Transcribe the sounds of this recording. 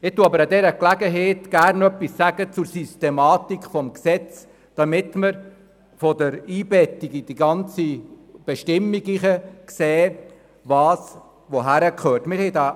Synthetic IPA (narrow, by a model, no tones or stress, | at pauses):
ɪtuəɑbəɾadɛɾəklæɡəɦɛːtɡ̥ærnœpːisːæɡət͡suɾsystɛmɑːt̪ikχfɔmksɛt͡s | d̥ɑmɪt̪məɾ | fɔdəɾiːbɛtːiɡid̥iɡɑnt͡sib̥ɛʃtɪmːiɡiχəkseː | ʋɑːs | ʋoɦæɾəkχøːtmɪɾhɛjdɑː